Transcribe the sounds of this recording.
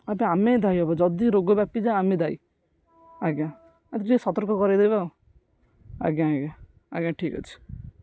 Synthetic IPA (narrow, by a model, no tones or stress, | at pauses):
abeamẽd̪ʱaiɔbad͡ʒɔd̪iɾoɡobapid͡ʒaamẽd̪ʱaḭ | aɡã | t̪ʈisɔt̪ɔɾkɔkɔɾed̪eba | a̰ɡãaɡã | a̰ɡãʈʰiːka̰t͡ʃʰi̥